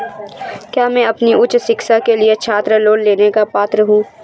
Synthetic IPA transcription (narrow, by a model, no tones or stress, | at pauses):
kjaːmɛ̃ɐpniʔʊt͡ʃsɪksakeliet͡ʃʰaːt̪ɾəloːlleːnekapaːt̪ɾəɦũː